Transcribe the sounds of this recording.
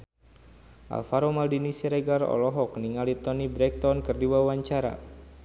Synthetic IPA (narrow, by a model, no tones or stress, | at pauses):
ʔa̰lfaɾomaldinisiɾɛɡarɔ̰lɔɦɔk̚niŋalit̪ɔnibɾɛk̚t̪ɔnkərdiwawaɲt͡ʃaɾa̰